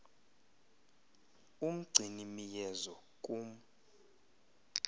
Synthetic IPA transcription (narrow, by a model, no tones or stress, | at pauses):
um̩ɡ͡ǀʱinimijɛzɔ | kʼum